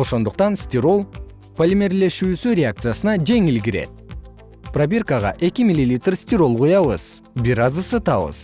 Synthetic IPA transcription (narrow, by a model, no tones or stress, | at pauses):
oso̞nd̪əq̚t̪ɑnst̪ʲiɾo̞lˠ | polʲimʲerlʲe̞ʃusuɾʲeak̚t̪sɨjasənɑd͡ʒe̞ŋɪlɡʲɪɾe̞̰d̪ɪ | probʲerkɑʁɑ̰ʔekʲɪmilʲːilʲit̪rsʲt̪ʲiɾo̞lˠʁujɑwəz̥ | bijɾɑzəsət̪ɑwə̰z̥